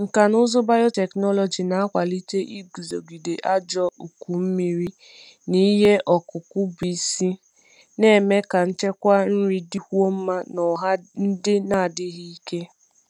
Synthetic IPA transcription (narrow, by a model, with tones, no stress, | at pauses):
ŋ̩˨ka˨nʊ˦zʊ˦ba˦jɔ˦tɛ˨knɔ˦lɔ˨d͡ʒi˨na˨a˦kʷa˨li˦t͡ʃe˦ʔi˦ɡu˨zo˨ɡi˨de˨ʔa˦d͡ʒɔ˦ʔu˨ku˨m̩˦mi˦ɾi˦ | ni˦ɦe˦ʔɔ˨kʊ˨kʊ˦bi˨si˦ | ne˦˨me˦ka˨n̩˦t͡ʃe˦kʷa˦n̩˦ɾi˦di˦hu˦o˦m̩˦ma˦nɔ˨ɦa˦n̩˦dɪ˦na˦˨dɪ˦ɦi˦i˦ke˦